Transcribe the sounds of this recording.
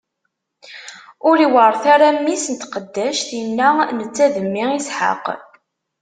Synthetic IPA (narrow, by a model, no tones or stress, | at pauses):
ʊɾiwəɾˤθaɾæmːisənt̪qəd̪ːæʃθjənːænət͡sːæðəmːiisħə̰q